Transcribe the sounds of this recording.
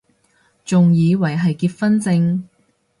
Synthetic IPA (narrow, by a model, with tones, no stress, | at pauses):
t͡sʊ˨ŋjiː˨˧wɐ˨˩jɦɐ˨jkiː˧t̚fɐ˥nt͡sɪ˧ŋ